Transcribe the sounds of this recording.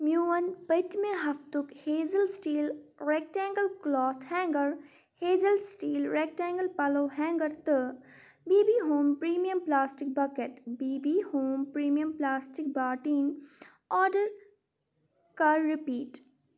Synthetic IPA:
mjuːənpət̪mẽɦɐft̪ʊkheːzəlsʈiːlɾek̚ʈɛ̃ːŋɡəlklɔːt̪ʰhɛ̃ːŋɡəɾ | heːzəlsʈiːlɾeːk̚ʈɛ̃ːŋɡəlpɐloːɦɛ̃ːŋɡəɾt̪ə | biːbiːɦoːmpɾiːmijəmplaːsʈɪk̚bɐkeʈbiːbiːhoːmpɾiːmijəmplaːsʈɪk̚baːʈiːn | ɔːɖəɾ | kɐɾɾɪpiːʈ

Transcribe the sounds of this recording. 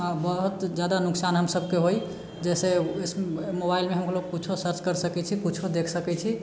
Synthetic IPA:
abəɦut̪d͡ʒjad̪anʊksanɦəmsəbkeɦoj | d͡ʒɛsesmobailmeɦəmkʰloɡput͡ʃʰosəɾt͡ʃkəɾsəkɛt͡ʃʰikut͡ʃʰod̪ekʰsəkɛt͡ʃʰi

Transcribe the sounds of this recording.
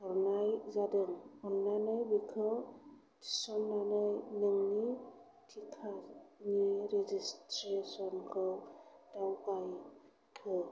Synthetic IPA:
ɔɾnajzadɯŋɯɾnanɯjbikʰɯ | tʰi̥sɔnːanɯjnɯŋni | tʰikʰaniɾezistɾesɔnkʰɯwdawkaj | kʰɯ

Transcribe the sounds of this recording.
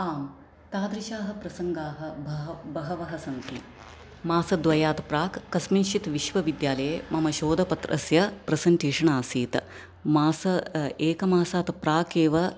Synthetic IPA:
aːm | t̪aːd̪ɾiʃaːɦɐ̆pɾɐsɐŋɡaːɦɐ̆bɐbɐɦɐʋɐɦɐsɐnt̪i | maːsɐd̪ʋɐjaːt̪pɾaːkːɐsminʃit̪ʋiʃʋɐʋid̪jaːlɐjemɐmɐʃoːd̪ɐpɐt̪ɾʔɐ̰sjɐpɾɐsɐɳʈeːʂɐɳaːsiːt̪ | maːsɐeːkɐmaːsaːt̪pɾaːkeːʋɐ

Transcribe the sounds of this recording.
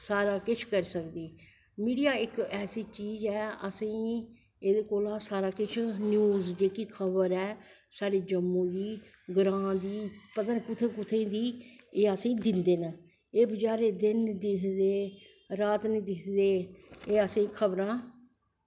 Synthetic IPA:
saːɾaːkɪt͡ʃʰkəɾsəkd̪iː | miːɖijaːɪkɛːsiːt͡ʃiːzɛːəsĩː | eːd̪eːkoːlãːsaːɾaːkɪt͡ʃʰnjuːzd͡ʒeːkiːkʰəbəɾɛːsaːɾeːd͡ʒəmːõːd̪iː | ɡɾãːd̪iːpət̪ənkʊt̪ʰeːkʊt̪ʰẽːd̪iːeːəsĩːd̪ɪnd̪eːnə | eːbəd͡ʒaːɾeːd̪ɪnd̪ɪkʰd̪eː | ɾaːt̪niːd̪ɪkʰd̪eːeːəsĩːkʰəbɾãː

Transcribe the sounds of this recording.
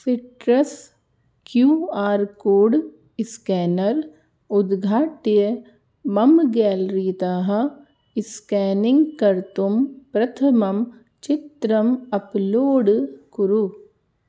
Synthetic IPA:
fiʈɾɐs | kjuːaːɾkoːɖ | ɪskɛːnɐɾ | ʊd̪ɡʱaːʈjɐ | mɐmɡɛːlɾit̪aːɦɐ̆ | ɪskɛːnɪ̃ŋɡkɐɾt̪umpɾɐt̪ʰɐmɐm | t͡ʃɪt̪ɾɐmɐploːɖkuɾu

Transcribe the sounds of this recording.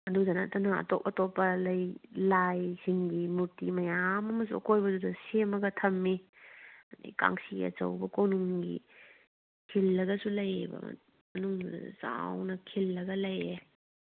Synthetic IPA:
ɐdudɐna̰tɐnɐɐ̰top̚ɐtopːɐlɐjlajsiŋɡimuɾtimɐjamɐmɐs̬uɐ̰kojbɐdudɐsemɐɡɐtʰɐmːi | ɐdḭka̰ŋsiɐ̰t͡ʃɐ̰wbɐkownuŋɡḭ | kʰilːɐɡɐsulɐjbɐ̰ | mɐnuŋ̰za̰wnɐkʰilːɐɡɐlɐje

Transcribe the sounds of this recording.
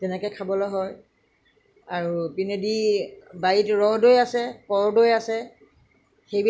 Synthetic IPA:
tɛnɛkɔjkʰabɔlɔjɦɔj | aɹupinedibaitɹɔɦdojasɛpɔɹdojasɛ | xejb

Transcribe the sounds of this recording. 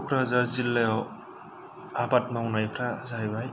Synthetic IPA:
kʰɾazaɾzilːajaw | apatmawunajpʰɾazaɦajbaj

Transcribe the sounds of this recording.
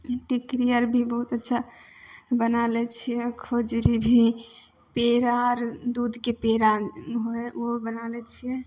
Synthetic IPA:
ʈikɾijəɾbʱibəɦut̪ətːʃʰa | bənalɛt͡ʃʰijɛkʰod͡ʒɾibʱi | peɾaɾd̪ud̪ʱkepeɾaɦoeobənalɛt͡ʃʰijɛ

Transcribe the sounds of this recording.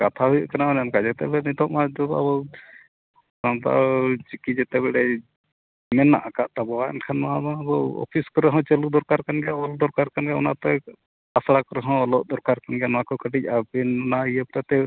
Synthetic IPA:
kat̪ʰaɦujɔʔkanamanamkad͡ʒɛt̪ɛ̰lɛnit̪ɔʔmad̪ɔa̰bɔw | sant̪a̰t͡ʃikid͡ʒɛt̪ɛbɛɽɛ | mɛnːa̰ʔakaʔt̪abɔwaɛ̰nkʰanmaad̪ɔ̃bɔwɔ̰pʰiskɔɾɛɦɔ̃t͡ʃəlud̪ɔɾkaɾkanɡɛaɔld̪ɔɾkaɾkanɡaɔ̰nat̪ɛ | asɽakɔɾɛɦɔ̃ɔlɔʔd̪ɔɾkaɾkanɡɛnwakɔkəʈic̚abɛnnaiəpɾat̪ɛ

